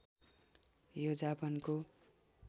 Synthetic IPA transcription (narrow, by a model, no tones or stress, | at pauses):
jod͡zapʌnko